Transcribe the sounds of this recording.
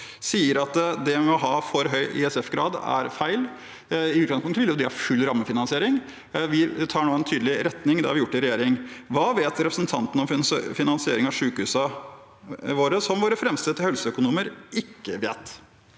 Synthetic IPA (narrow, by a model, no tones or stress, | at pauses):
siːəɾɑt̪d̪ɛʋɪmɔɦɑːfɔɾɦœʏʔɪ̰ɛsɛfɡɾɑ̰ːd̪æ̰ɾfæɪl | ɪʉt̪̚ɡɑŋspʊŋt̪əʋɪljʊd̪ɪhɑfʉlːɾɑmːəfɪnɑnsɪeːɾɪŋ | ʋɪt̪ʰɑːɳoːɛnt̪ʰyːd̪əlɪɾɛt̪nɪŋd̪ɛhɑɾʋɪjʊʈːɪɾɛjeːɾɪŋʋɑːʋeːt̪ɾɛpɾəsənt̪ʰɑnt̪ən̩ɔmfɪnɑnsɪeːɾɪŋɑʂʉːkəhʉːsɑ | ʋoːɾəsɔmʋoːɾəfɾɛmst̪ət̪ɪhœlsəœkʊnuːməɾɪkːəʋḛːt̪